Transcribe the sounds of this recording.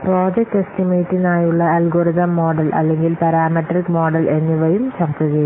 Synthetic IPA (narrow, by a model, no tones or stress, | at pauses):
pro̞ːd͡ʑɐk̚ʈestimejʈːinaːjuɭːɐɐlɡoːɾiðɐmːo̞ːɖɐlʔɐ̰lːe̞ŋɡilpɐɾaːmɐʈrikmo̞ːɖɐlʔe̞nːiʋɐjumɕɐrt̪ːut͡ɕɐju